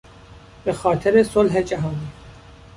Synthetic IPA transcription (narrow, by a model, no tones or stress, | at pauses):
b̥exɒːt̪ʰeɾesolɦed͡ʒæɦɑːniː